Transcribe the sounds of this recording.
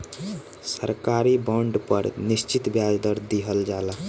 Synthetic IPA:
səɾkaɾibəɳɖpəɾnist͡ʃit̪bjad͡ʒd̪əɾd̪iɦəld͡ʒala

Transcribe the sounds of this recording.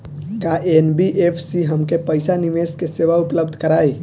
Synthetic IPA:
kaʔenbiʔepʰsiɦəmkepəjsanimeskeseʋaupləbd̪ʱkəɾaj

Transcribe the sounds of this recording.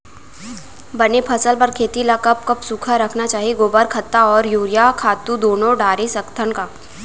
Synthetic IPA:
bɐnepʰɐsəlpɐɾkʰeːt̪ilakɐp̚kɐpsuːkʰaɾɐkʰnat͡ʃaːɦieɡoːbəɾkʰɐt̪ːaɔːɾjuːɾijakʰaːt̪ud̪oːnõɖaːɾesɐkt̪ʰəɳkaː

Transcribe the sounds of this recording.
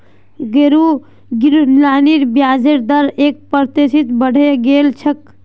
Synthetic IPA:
ɡeɾu | ɡiɾlaniɾbjaːd͡ʒeɾd̪əɾeːk̚pəɾt̪esit̪bəɽ̤ʱeɡelt͡ʃʰək

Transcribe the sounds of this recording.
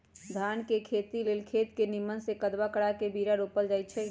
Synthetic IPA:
d̪ʱankekʰet̪ileːlkʰet̪kenimənsekəd̪bakəɽakebiɾaɾopəld͡ʒaːjt̪̚t͡ʃʰɛ

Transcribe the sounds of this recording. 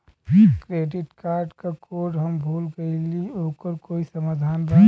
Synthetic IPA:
kɾeɖɪʈkaːɾɖkakoːɾɖɦəmbʱuːlɡəiliokəɾkoːisəmaːd̪ʱaːnba

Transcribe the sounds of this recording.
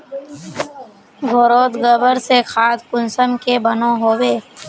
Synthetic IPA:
ɡʱoɾoːt̪ɡəbəɾsekʰaːt̪kʊnsəmkebənõɦoːweː

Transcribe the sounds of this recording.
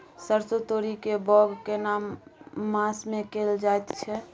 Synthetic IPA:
səɾsot̪oɾikebɔɡkenamː | ãsmẽkeld͡ʒaet̪t͡ʃʰɛ

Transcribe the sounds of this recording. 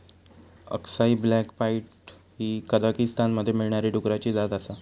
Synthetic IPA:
ə̰ksaiblækpaiʈhiːkəd̪akist̪anməd̪ʱːjemiɭɳaɾiʈukɾat͡ɕiːd͡zat̪asa

